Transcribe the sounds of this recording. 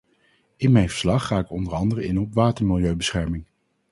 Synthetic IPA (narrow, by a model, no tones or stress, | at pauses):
ɪnmɛjnvəɹslɑχːaːɪkɔndəɹɑndərəɪnɔɔpʋaːtəɹmɪlˠjøɥbəsχɛɹmɪŋ